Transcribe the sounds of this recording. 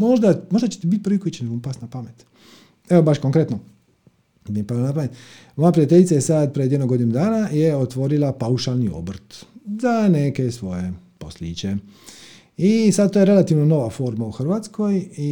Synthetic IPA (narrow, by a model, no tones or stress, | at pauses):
moʒd̪amo̞ʒd̪at͡ʃet̪ibit̪̚pɾ̩ʋikojit͡ʃeneɡoupasnapamet̪ | eobaʃkoŋkɾe̞t̪no | bimpɾalanapamjet̪ | mo̞japɾiat̪eʎʲit̪sajesad̪̚pɾed̪jenoɡo̞d̪inud̪aːnajeot̪ʋo̞ɾilˠapauʃalnio̰br̩t̪zaneke̞sʋo̞jepo̞̰sliːt͡ʃe | isad̪̚t̪oje̞ɾe̞lat̪iʋnono̞ʋafo̞ɾmauxr̩ʋaːt̪skoji